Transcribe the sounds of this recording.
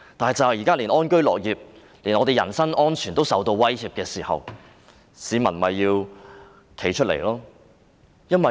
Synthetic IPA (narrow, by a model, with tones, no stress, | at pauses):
t̪aː˨nɦɐ˨jt͡sɐ˨hjiː˨˩kaː˥liː˨˩nɔː˥nkɵ˥ɥlɔ̰ː˨k̚jiː˨˩p̚ | li˨˩nɔ˨˧t̪e˨jɐ˨˩nsɐ˥ŋʔɔː˥nt͡ʃʰyː˨˩nt̪o˥wsɐ˨wt̪o˧wwɐ˥jhiː˨p̚kɛː˧siː˨˩hɐ̰˨w | siː˨˧mɐ˨˩nmɐ˨jːiː˧w | kʰe˨˩jt͡ʃʰɵ˥t̚lḛ˨˩jlɔː˥ | jɐ˥nwɐ˨